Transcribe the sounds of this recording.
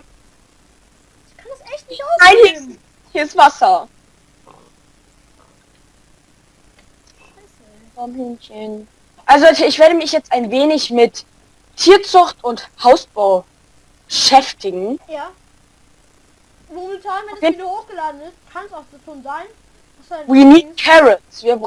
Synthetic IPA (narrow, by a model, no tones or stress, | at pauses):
kʰandasɛçtnɪoaɪnɪɡəs | hisv̥asɐ | am̩nçən | ʔalzoɪçv̥eːɐɾəmɪçjɛt͡staɪnveːnɪçmɪt | tʰːiːɐt͡sʊxtʊnthaʊsb̥aʊ | b̥əʃɛftɪɡŋ̩jaː | vomɛtʰaːnvɛdfjeːdhoːxɡ̥əlaːdn̩ɪstkʰansaʊxz̥oʃoːnzaɪn | saviniːkʰɛʁəsv̥iːɐb